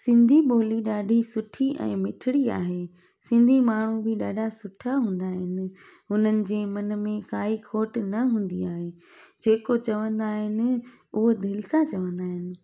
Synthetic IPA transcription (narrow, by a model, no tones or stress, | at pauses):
sɪ̃nd̪ʱiɓoːliɗaːɖʱisʊʈʰiʔɛ̰̃ːmɪʈʰɪɽia̰ːɦeː | sɪ̃nd̪ʱimaːɳ̤ubɪɗaːɖʱasʊʈʰaɦũːnd̪aːɦɪnɪ̆ | ɦʊn̤ənɪ̆d͡ʑeːmɐnə̆mẽkaːikʰoːʈnɐɦũːn̆d̪iaːɦeːd͡ʑeːkot͡ɕɐʋə̃nd̪aːɦɪnɪ̆ | ʊɦod̪ʱɪlsãt͡ɕɐʋə̃nd̪aːɦɪnɪ̆